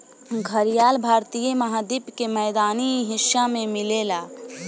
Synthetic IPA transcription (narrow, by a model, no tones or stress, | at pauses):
ɡʱəɾijaːlbʱaːɾt̪ijemɐɦaːd̪ipkemɛːd̪aːniɦɪʃjamẽmɪleːlaː